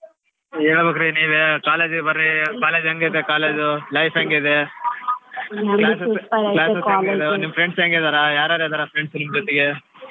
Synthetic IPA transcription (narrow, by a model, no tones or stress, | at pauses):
eːɭbɐkɾiniːʋekaːleːd͡ʒibɐɾːikaːleːd͡ʒɐŋɡed̪ekaːleːd͡ʒulɐjfʰeŋɡeid̪e | klaːseslaːsesaŋɡed̪enimɐpʰɾeɳɖseŋɡeːd̪aːɾɐjaːɾaːɾed̪aːɾɐpʰɾeɳɖsnimd͡ʒɔt̪ɛɡe